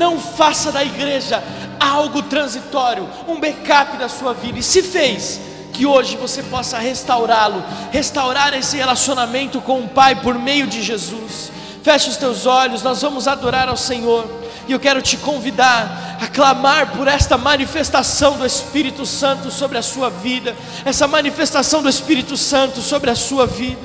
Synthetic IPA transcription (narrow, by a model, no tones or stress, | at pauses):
nɐ̃w̃fasɐd̪ɐiɡɾeʒɐ | awɡʊt̪ɾɐ̃zit̪ɔɾjʊ | ũbekapɪd̪ɐsuɐvid̪ɐɪsɪfejs | kɪoʒɪvosepɔsɐhest̪awɾalʊhest̪awɾaɾesɪhelasionamẽnt̪ʊkõʊ̃pajpoɾmejʊd͡ʒɪʒezus | fɛʃʊst̪ewzɔʎʊsnɔzvɐ̃mʊzad̪oɾaɾawsẽɲoɾ | ɪewkɛɾʊt͡ʃɪkõvid̪aɾ | ɐklamaɾpʊɾɛst̪ɐmɐ̃nifest̪asɐ̃w̃d̪ʊespiɾit̪ʊsɐ̃nt̪ʊsobɾɪɐsuɐvid̪ɐ | ɛsɐmɐ̃nifest̪asɐ̃w̃d̪ʊespiɾit̪ʊsɐ̃nt̪ʊsobɾɪɐsuɐvid̪ɐ